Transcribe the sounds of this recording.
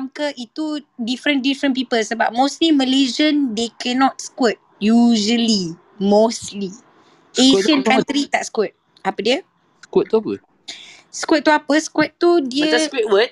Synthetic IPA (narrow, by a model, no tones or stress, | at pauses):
mkəʔit̪udifɾə̃ndifɾə̃np̬ipəlsəbap̚mõsliməlezə̃ndekɛnɔt̚skwət̚juʒəli | mosli | eʃə̃nkãt̪ɾit̪aʔskwət̪̚ | apədiə | skwət̚t̪uapə | skwət̚t̪ːuapəskwət̪̚t̪udiəskɛt̚wət̚